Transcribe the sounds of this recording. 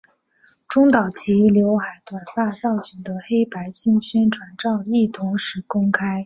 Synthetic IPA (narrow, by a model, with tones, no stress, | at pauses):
ʈ͡ʂʊ˥ŋt̪ɑ˨˩ʊt͡ɕʰi˧˥ljo˧˥ʊxa˧˩ɪt̪wa˨˩npa˥˧t͡sɑ˥˩ʊɕi˨˩ŋd̪ə˧xe˥ɪpa˧˥ɪɕi˥˩ŋɕɛ˥nʈ͡ʂʰwa˧˥nʈ͡ʂɑ˥˧ʊi˥˩t̪ʰʊ˧˥ŋʂɻ̩˧˥kʊ˥ŋkʰa˥ɪ